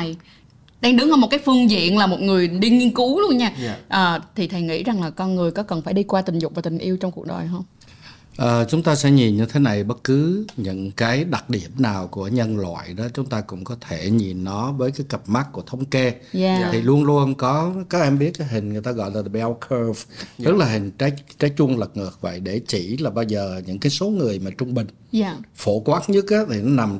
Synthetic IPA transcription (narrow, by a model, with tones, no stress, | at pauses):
j | ɗaː˧ŋɗɨ˨˦ŋhɔ˧m˨˩t̚kaː˨˦jfɨ˧əŋzḭ˧˨ənlaː˨˩mo˨˩t̚ŋɨ˨˩əjɗi˧ɲi˧ənku˨˦lu˧ənɲaː˧ʔəː˨˩t̪ʰi˨˩t̪ʰə˨˩jŋḭ˧˥za˨˩ŋlaː˨˩kɔ˧nŋɨ˨˩əjkɔ˨˦kə˨˩nfaː˧˩jɗi˧kwaː˧t̪i˨˩ŋ̟zʊ˨˩k͡p̚vaː˨˩t̪ï˨˩ŋ̟ʔi˧əwt͡ɕɔ˧ŋ͡mku˨˩ək̚ɗo̰˨˩jɦə˧wŋ͡m | ʔəː˨˩t͡ɕʊ˨˦ŋ͡mt̪aː˧sɛ̰˧˥ɲi˨˩nɲɨ˧t̪ʰe˨˦na˨˩jɓə˦˥t̚kɨ˨˦ɲɨ̰˧˥ŋkaː˨˦jɗa˨˩k̚ɗi˧˩əmnaː˨˩wku˧˩əɲə˧nlwa̰ː˧˨jɗɔ˨˦t͡ɕʊ˨˦ŋ͡mt̪aː˧kʊ̰˧˥ŋ͡mkɔ˨˦t̪ʰe˧˩ɲi˨˩nːɔ˨˦vəː˨˦jkaː˨˦jkə˨˩p̚ma˦˥k̚kːu˧˩ət̪ʰə˨˦wŋ͡mke˧˨ | t̪ʰi˨˩lu˧ənlu˧ənkɔ˨˦kaː˨˦k̚ʔɛ˧mɓi˦˥ət̚kaː˨˦jɦï˨˩ŋ̟ŋɨ˨˩əjt̪aː˧ɣɔ̰˧˨jlaː˨˩˨ɓɛ˧wkʰə˧vt̪ɨ˦˥k̚laː˨˩ɦï˨˩ŋ̟t͡ɕa˨˦jt͡ɕaː˨˦jt͡ɕu˧əŋlə˨˩k̚ŋɨ˨˩ək̚və̰˧˨jɗe˧˩t͡ɕḭ˧˩laː˨˩ɓaː˧wzəː˨˩ɲɨ̰˧˥ŋkaː˨˦jso˨˦ŋɨ˨˩əjmaː˨˩t͡ɕʊ˧ŋ͡mɓï˨˩ŋ̟fo˧˩kwaː˦˥t̚ɲɨ˦˥t̚ʔaː˨˦t̪ʰi˨˩nɔ˨˦na˨˩m